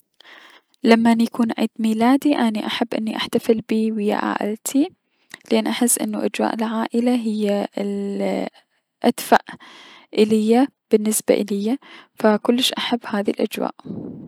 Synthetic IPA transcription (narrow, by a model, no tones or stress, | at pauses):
lamːanjakuːnʕḭːd̪miːlaːd̪iʔaniʔaħabːʔɪnːiʔaħt̪afɪlbiːwɪjːa̰ʔa̰ːʔɪ̰lt̪ʰi | lɪʔaːnːʔaħɪsːʔɪ̰nːuʔad͡ʒwa̰ːʔɪlʕaːʔɪlaɦɪjːal | ʔad̪faʔʔɪlɪjːa | b̥ɪnːɪsba̰ʔɪlɪjːafakʊlːɪʃʔaħabːhaːðilʔa̰d͡ʒwa̰ːʔ